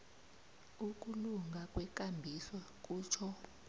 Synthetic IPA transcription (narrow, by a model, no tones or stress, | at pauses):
uk̬ʼuluŋɡʱakʼwɛk̬ʼambʱisɔk̬ʼuːt͡ʃʰɔ